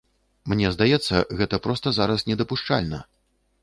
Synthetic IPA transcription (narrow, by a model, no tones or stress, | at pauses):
mnʲɛzd̪ajɛt̪sːɐ̰ɣɛt̪ɐpɾɔst̪ɐzaɾɐsnʲɛd̪ɐpuʂt͡ʂa̰lʲnɐ̰